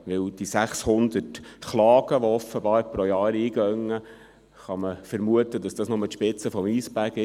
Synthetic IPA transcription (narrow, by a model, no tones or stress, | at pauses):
ʋɪwd̥isæχshʊnd̪ətχlɑːɡ̥əʋɔɔfːəbɑːɾpɾojɑːɾiːɡ̥œŋːə | χɑməfəɾmuət̪ədɑsd̥ɑːsnʊmət̪ʃpɪt͡səfɔmiːsb̥æɡɪ